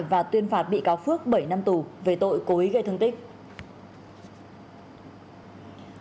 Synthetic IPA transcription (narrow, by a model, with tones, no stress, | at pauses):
vaː˨˩t̪wi˧ənfaː˨˩t̚ɓḭ˧˨kaː˨˦wfɨ˦˥ək̚ɓə˧˩jna˧mt̪u˨˩ve˨˩t̪o̰˧˨jko˨˦ʔi˨˦ɣə˧jt̪ʰə˧nt̪ï˦˥k̟̚